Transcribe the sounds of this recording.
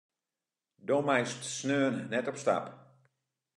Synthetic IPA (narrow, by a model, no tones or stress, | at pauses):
domɛjstsnøːnːɛtɔpsta̰p